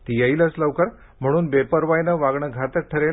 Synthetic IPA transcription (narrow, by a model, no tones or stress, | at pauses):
t̪ijəilət͡sləʋkəɾ | m̤əɽ̃uːnbepəɾʋajnəʋaɡɳəɡʱat̪ək̚ʈʰəɾel